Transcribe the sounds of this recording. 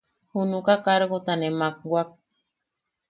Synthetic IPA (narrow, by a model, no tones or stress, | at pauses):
hunukakaɾɣot̪anemak̚ɡwak̚